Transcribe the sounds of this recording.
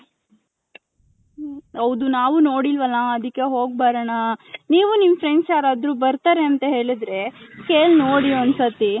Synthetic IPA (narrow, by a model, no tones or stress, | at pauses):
ɐwd̪unaːʋuno̞ːɽilʋɐlːɐɐd̪ikːe̞ɦoːɡ̚baːɾɐɳɐniːʋunimpɾeɳɖsaːɾaːd̪ɾuːbɐɾt̪aːɾeɐnt̪ɐɦe̞ːɭid̪ɾe̞keːlnoːɽionsɐt̪i